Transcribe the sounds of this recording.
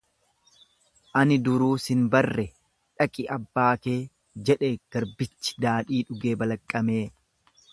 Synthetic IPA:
ʔɐnɪd̪ʊɾuːsɪnbɐrːɛ | ᶑɐkʼɪʔɐbːaːke̞ː | d͡ʒɛᶑɛɡ̥ɐɾbɪt͡ʃːɪ̥d̪aːᶑiːᶑʊɡeːbɐlɐkʼːɐme̞ː

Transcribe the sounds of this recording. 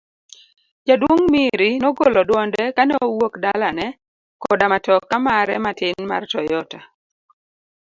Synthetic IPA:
d͡ʒadwoŋmiɾɪnɔɡolɔdwɔndɛkanɛowokdalanɛ | kɔdamatɔkːamaɾɛmatɪnma̰rtɔjɔta

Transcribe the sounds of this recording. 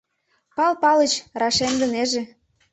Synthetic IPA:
pɑlpɑlət͡ɕrɑʃend̪ə̆neʒe

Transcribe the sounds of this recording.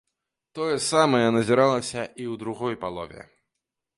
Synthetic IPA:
t̪ɔjɛsamɐjɛnɐzʲiɾalˠɐsʲɐiwd̪ɾuɣɔjpalˠɔ̰vʲɛ̰

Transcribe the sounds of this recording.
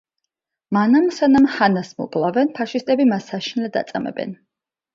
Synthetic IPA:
manamsanamhanasmɔ̰bʼlˠavɛnpʰaʃist̪ʼɛbimasːaʃinlɛd̪a̰t̪sʼamɛ̰bɛ̰n

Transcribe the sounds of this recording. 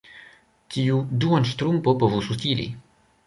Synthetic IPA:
tʰiuduanʃt̪ɾumpopovusust̪ilḭ

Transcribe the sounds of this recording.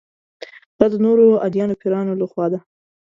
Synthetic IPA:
d̪̥ɑd̪ənoɾoa̰d̪jɑnopʰiɾɑnolaxwɑd̪a

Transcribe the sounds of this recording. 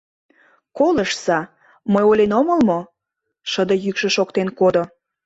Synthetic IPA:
koləʃsɑ | məjolʲenomə̆lmo | ʃəd̪əjykʃə̆ʃokt̪enkod̪o

